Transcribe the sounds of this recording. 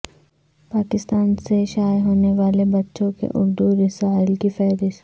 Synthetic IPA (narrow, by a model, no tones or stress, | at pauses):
paːkɪst̪aːnseʃaːjɦoːneʋaːlebɐtːʃõkḛʔʊ̰ɾd̪uɾɪsaːɪlkifɛːɾɪʃ